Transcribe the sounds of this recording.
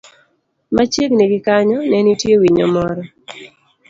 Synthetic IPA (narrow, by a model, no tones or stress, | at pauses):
mat͡ʃiɡniɡɪkaɲɔnɛnitjewiɲɔmɔɾɔ